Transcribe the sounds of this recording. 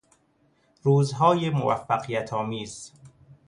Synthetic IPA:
ɾuːzɦɒːjemo̰væ̰fːæɢijæt̪ʰɒːmiːz

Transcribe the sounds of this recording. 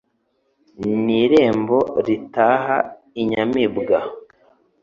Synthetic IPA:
niɾe̞ːmbo̞ɾitaːɦa | iɲamibɡa

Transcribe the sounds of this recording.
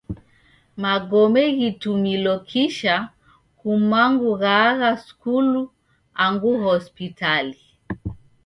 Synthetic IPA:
maɡɔmɛɣitumilɔkʰiʃa | kumaŋɡuɣaɣaskulu | aŋɡuhɔspitali

